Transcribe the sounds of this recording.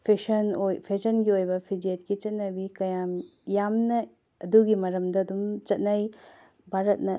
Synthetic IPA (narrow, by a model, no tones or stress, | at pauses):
pʰesɐnojpʰesʰɐnɡiojbɐpʰid͡ʒiet̚kit͡ʃɐt̚nɐbikɐjamjamnɐ | ɐduɡimɐɾɐmdɐːdumt͡ʃɐt̚nɐj | bʱaɾɐt̚nɐ